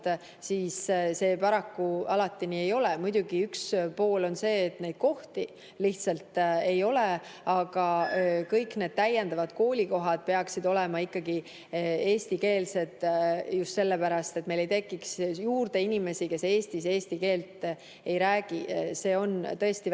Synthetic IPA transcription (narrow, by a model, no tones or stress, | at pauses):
t̪ | siːsse̞ːpɑɾɑkːuɑlɑt̪ːˑinie̞jo̞lemujd̪̥ʲuɡ̥iykspo̞ːlo̞nse̞ːt̪ne̞jd̪̥̚ko̞ht̪i | liht̪sɑlt̪e̞jo̞le | ɑɡ̥ɑkɤjkne̞ːd̪̥̚t̪æjːend̪ɑvɑd̪̥ko̞ːlʲiko̞ɦɑd̪̥̚pe̞ɑksid̪o̞lɛmɑikːɑɡi | e̞ːst̪ike̞ːlse̞d̪ˑjust̪se̞lːepæɾɑst̪e̞t̪ːme̞jle̞jt̪e̞kːˑiksjuːrd̪̥e̞inime̞sike̞se̞ːst̪ise̞ːst̪ike̞ːlt̪ | e̞jɾæːɡ̥ise̞ːo̞nt̪ɤ̞e̞st̪i